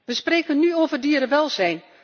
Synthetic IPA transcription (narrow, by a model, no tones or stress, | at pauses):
ʋəspreːkənːyoːvərdiːəɾəʋɛlˠzɛjn